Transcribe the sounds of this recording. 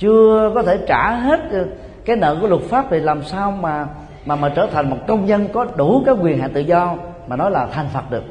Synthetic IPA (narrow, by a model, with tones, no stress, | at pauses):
t͡ɕɨ˧əkɔ˨˦t̪ʰe˧˩t͡ɕaː˧˩ɦe˦˥t̚ | kaː˨˦jnə̰ː˧˨ku˧˩əlʊ˨˩t̚faː˦˥p̚t̪ʰi˨˩laː˨˩msaː˧wmaː˨˩ | maː˨˩maː˨˩t͡ɕəː˧˩t̪ʰa˨˩jŋ̟mo˨˩t̚kə˧wŋ͡mɲə˧nkɔ˨˦ɗu˧˩kaː˨˦jkwi˨˩ənɦa̰ː˧˨t̪ɨ̰˧˨zɔ˧maː˨˩nɔ˨˦jlaː˨˩t̪ʰa˨˩ŋ̟fə˨˩t̚ɗɨ˨˩ək̚